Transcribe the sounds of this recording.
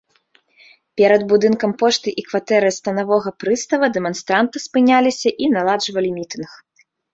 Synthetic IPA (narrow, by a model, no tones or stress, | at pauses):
pʲɛɾɐd̪bud̪ɨnkɐmpɔʂt̪ɨʔikvat̪ɛɾɨjst̪ɐnavɔɣɐpɾɨst̪ɐvɐd̪ɛmɔnst̪ɾant̪ɨspɨnʲalʲisʲɐʔinalˠaʐvɐlʲimʲit̪ɨnx